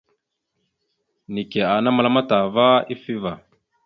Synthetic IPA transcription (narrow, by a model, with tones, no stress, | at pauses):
ni˨ke˨a˨na˦ma˨la˦ma˦ta˨va˦i˦fi˦va˨